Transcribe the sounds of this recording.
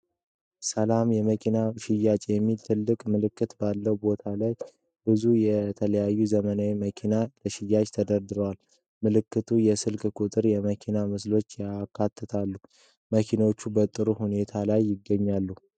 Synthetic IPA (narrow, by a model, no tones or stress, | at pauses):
səlamjɛməkʰinaʃɪjːat͡ʃʼjɛmːilt̪ʰɨlːɨkʼmɨlɨkʰːɨt̪balːəwbo̞t̪ʰalaj | bɨzujɛt̪ʰələjajːuzəmənawiməkʰinaləʃɪjːat͡ʃʼt̪ʰəd̪əɾd̪ɨɾwal | mɨlɨkːɨt̪ʰujɛsɨlkʼkʼut̪ʼɨɾjɛməkʰinamɨslo̞t͡ʃːjakʰːat̪ʰːət̪ʰalːu | məkʰinot͡ʃːubət̪ʼːɨɾuhune̞t̪ʰalajːɪɡːəɲːalːuh